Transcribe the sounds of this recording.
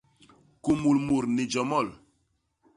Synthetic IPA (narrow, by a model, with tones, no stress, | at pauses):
ku˨mu˨lmu˨ɾni˨d͡ʒɔ˨mɔ˦˨l